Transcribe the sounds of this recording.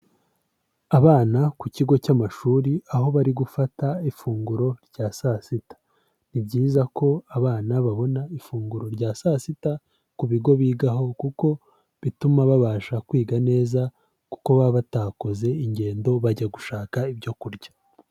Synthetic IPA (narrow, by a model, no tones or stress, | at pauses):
aβaːnakuciɡo̞camaʃuːɾiaɦo̞βaɾiɡufataifuːŋɡuɾo̞ɾɟ̥aːsasitḁ | nibɟiːzako̞aβaːnaβaβo̞naifuːŋɡuɾo̞ɾɟaːsasita | kuβiɡo̞βiːɡaɦo̞kuko̞ | βitumaβaβaːʃakwiːɡane̞ːza | ku̥ko̞βaβataːko̞ze̞iɲɟe̞ːndo̞βaɟaɡuʃaːkaibɟo̞kuɾɟḁ